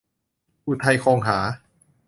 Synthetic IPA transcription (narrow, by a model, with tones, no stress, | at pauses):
ʔu˧˩t̪ʰa˧jkʰoː˧ŋɦaː˩˦